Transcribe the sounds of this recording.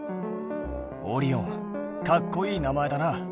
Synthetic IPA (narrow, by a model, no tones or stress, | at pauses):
o̰ɾʲiõŋ | kakːo̞iːnamae̞d̪ana